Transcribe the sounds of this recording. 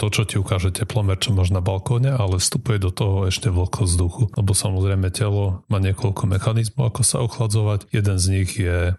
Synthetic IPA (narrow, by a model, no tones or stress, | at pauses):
t̪ɔt͡ʃɔciukaːʒɛcɛplɔmɛɾt͡ʃɔmɔʒnabalkɔɲɛalɛfst̪upujɛd̪ɔt̪ɔɦɔɛʃcɛʋl̩kʰɔzd̪uxulɛbɔsamɔzɾɛjmɛcɛlɔmaːɲɪɛkɔʎkʰɔmɛxanizmɔʊakɔsa̰ɔxlad͡zɔʋacjɛd̪ɛnzɲiɣjɛ